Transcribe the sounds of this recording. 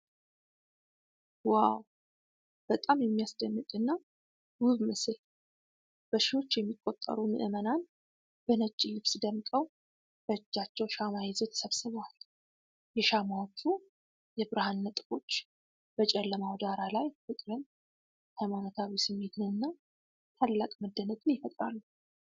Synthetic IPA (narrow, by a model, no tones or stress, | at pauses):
waw | b̥ət̪ʼamjɛmːijasd̪ənːɨk̪ʼɨnːa | wʊβmɨsɨl | b̥əʃɪho̞t͡ʃːjɛmːikʼːot̪ʼːə̰ɾumɨ̰ʔɨmənan | b̥ənət͡ʃʼːilɨβsd̪əmkʼəw | b̥əd͡ʒːat͡ʃːɛwʃamajɪzot̪ʰə̥səβsɨβwal | jɛʃamawt͡ʃːu | jɛbɨɾɨhanːət̪ʼɨfo̞t͡ʃː | b̥ət͡ʃʼɛlːəmawd̪aɾalajfɨkʼɾɨn | hajmanot̪ʰawisɨmːe̞t̪nɨɨnːa | t̪ʰalːakʼməd̪ːənət̪ʼɨnjɛfət̪ʼɾa̰lːu